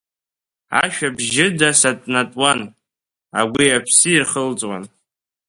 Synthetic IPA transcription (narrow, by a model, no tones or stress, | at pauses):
a̰ʃᶣabʒɪdasatʼnatʼwan | a̰ɡʷiapʰsɨirχəlt͡sʼwa̰n